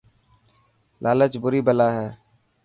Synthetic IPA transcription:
lʔaːlət͡ʃbʊɾiːbəlaːɦɛː

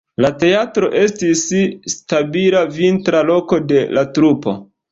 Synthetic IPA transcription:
late̞atɾo̞ʔe̞stisstabilavintɾalo̞ko̞de̞latɾupo̞̰

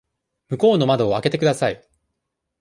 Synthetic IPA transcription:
mɯ̟ko̞ːno̞mad̪o̞ːake̞t̪e̞kɯd̪asai

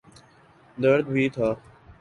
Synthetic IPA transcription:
d̪əɾd̪biːt̪ʰaː

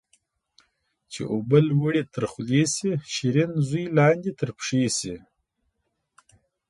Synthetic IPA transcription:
t͡ʃḛʔobəlwəɽet̪ʰəɾxlesiʃiɾinzujlɑnd̪it̪əɾpʂesi

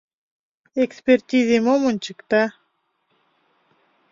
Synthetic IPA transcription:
ekspʲert̪ʲizemomonʲt͡ɕɨkt̪a

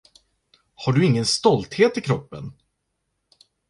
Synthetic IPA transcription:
haɖɵɪŋːənst̪ɔlt̪heːt̪ɪkʰɾɔpːə̰n

